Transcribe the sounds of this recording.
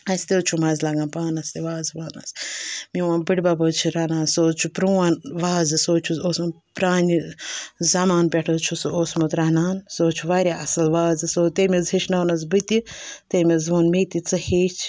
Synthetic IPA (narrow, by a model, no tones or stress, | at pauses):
ɐsʲt̪et͡ʃʰumɐzʲlɐɡaːnpaːnɐst̪eʋaːzʋaːnɐsmiwaːbɨɽbabot͡ʃʰiɾanaːnsoːt͡ʃʰupɾuanʋaːzɨsoːt͡ʃʰuoːsmɨ | pɾaːnizɐmaːnpʲɛʈʰɐt͡ʃʰusɨoːsmɐt̪ɾɐnaːnsoːt͡ʃʰuʋaːɾʲaɐsɨlʋaːzɨsoːt̪emʲizɦiʃnɐːnɐsbɨt̪ʲit̪eːmizʋoːnmet̪it͡sɨheːt͡ʃʰ